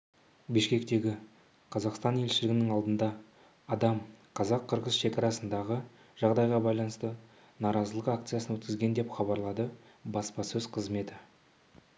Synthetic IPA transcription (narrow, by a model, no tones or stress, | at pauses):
bɪʃkʲe̞kt̪e̞ɡʲɪ | qʰɑzɑqst̪ɑnje̞lʃɪlɪɡʲɪnɪŋɑlˠd̪ənd̪ɑː | d̪ɑmqʰɑzɑqʰːəɾʁəzʃe̞kɑɾɑsənd̪ɑʁə | ʒ̥ɑʁd̪ɑjʁɑbɑjlˠɑnəst̪ə | nɑɾɑzəlˠəqak̚t̪sɨjasənwɵt̪kʲɪzɡʲe̞nd̪e̞pχɑbɑɾlˠɑd̪ə | bɑspɑsɵzqʰəzme̞t̪ɪ